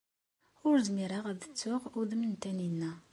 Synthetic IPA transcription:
ʊɾzmiɾaʁæðət͡sːʊʁuðəmənt̪æninːæ

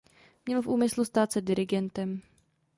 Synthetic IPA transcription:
mɲɛlfʔuːmɪslust̪aːt̪sɛdɪɾɪɡɛnt̪ɛm

